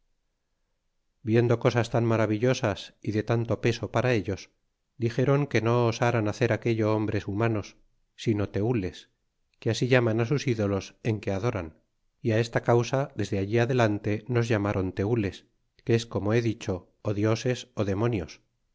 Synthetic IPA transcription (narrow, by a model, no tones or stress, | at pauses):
bje̞nd̪o̞ko̞sast̪aŋmaɾaβ̞iʎo̞sasiðe̞t̪ant̪o̞pe̞so̞paɾae̞ʎo̞s | d̪ixe̞ɾo̞ŋke̞no̞ːsaɾanaθe̞ɾake̞ʎo̞ombɾe̞sumano̞sː | ino̞t̪e̞ule̞s | keasiʝamanasusiðo̞lo̞se̞ŋke̞aðo̞ɾan | iae̞st̪akawsaðe̞zðe̞aʎiaðe̞lant̪e̞no̞zʝamaɾʔo̞nt̪e̞ule̞s | keesko̞mo̞e̞ðit͡ʃo̞ː | ðjo̞se̞so̞ðe̞mo̞njo̞s